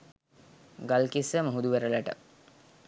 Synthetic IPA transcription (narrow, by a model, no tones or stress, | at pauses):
ɡalkisəməɦud̪uʋæɾəlæʈə̰